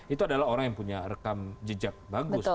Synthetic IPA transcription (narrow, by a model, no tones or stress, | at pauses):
it̪uadalaɦoɾaŋjaŋpuɲarəkamd͡ʒəd͡ʒak̚baɡʊs